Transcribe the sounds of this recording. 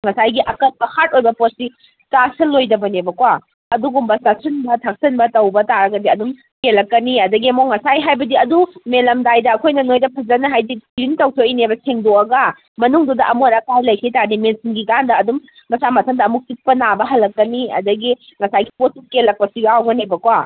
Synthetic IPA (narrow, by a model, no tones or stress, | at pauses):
ŋɐsajɡiʔɐkɐt̚pɐhat̚ojbɐposi | tasɐlːojdɐbɐnebɐkwa | ɐduɡumbɐstak̚sʰɐnbɐtʰak̚sɐnbɐtɐwbɐtaɾɐɡɐdiɐdum | kelɐkːɐniɐdɐɡiɐmoŋɐsajɦajbɐdiɐdumelɐmdajdɐːkʰojnɐnojdɐpʰɐzɐnɐɦajdiɡɾintɐwtʰoinebɐsʰeŋdoɐɡɐ | mɐnuŋdudɐʔɐmonɐkajlɐjkʰitaɾnimensiŋɡiɡandɐːdum | mɐsamɐtʰɐmdɐɐmuk̚sik̚pɐnabɐɦɐlɐkːɐniɐ̰dɐɡiŋɐsajɡi̥posikelːɐk̚pɐsiɡawɡɐnebɐkwa